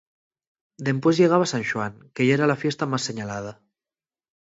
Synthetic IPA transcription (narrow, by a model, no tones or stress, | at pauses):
d̪empwezʎeɣ̞aβasanʃuaŋkeʒaeɾalafjest̪amasːeɲalað̞a